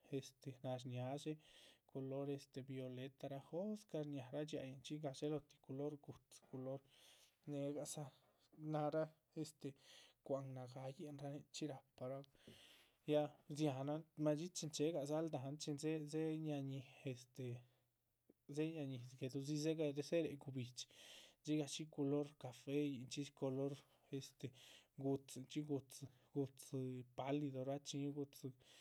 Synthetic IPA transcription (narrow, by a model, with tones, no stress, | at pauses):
e˧st̪e˨na˧ɾnja˧˦ʃe˦ko˧lo˦ɾe˧st̪e˨bjo˧le˧t̪a˧ɾa˦xo˦ska˧ɾɲʲja˨ɾa˦t͡ʃa̰˧ja˨nt͡ʃi˦ɡa˧ʃe˦lo˧t̪i̥˧ku˧lo˦ɾɡu˨t̪ko˧lo˦ɾ | ne˧ɡa˨sa˦ | na˧ɾa˦ | e˧st̪e˨kʷa˨ŋna˨ɡa˧je˦nɾa˦ne˧t͡ʃi˦ɾa˨pːa˧ɾa˦ | ja˧zja˨na˦ma˧t͡ʃi˦t͡ʃi˧nt͡ʃe˧˦ɡa˨za˦ld̪a˨˧˦nt͡ʃi˧nze˦ze˦ɲa˧ɲi˨e˧st̪e˨ | ze˦ɲa˧ɲi˨sɡe˧d̪u˧z̬i˦ze˦ɡa˧de˧se˦ɾe˨ɡu˧bi˨t͡ʃt͡ʃi˦ɡa˧t͡ʃi˦ko˧lo˦ɾka˨fe˦ji˨nt͡ʃi˦ko˧lo˦ɾ | e˧st̪e˨ɡu˧t͡st͡ʃi˦ɡu˧t͡s | ɡu˧t͡spa˨˦li˧d̪o˨ɾa˦t͡ʃi˧ɲ˦ɡu˧t͡s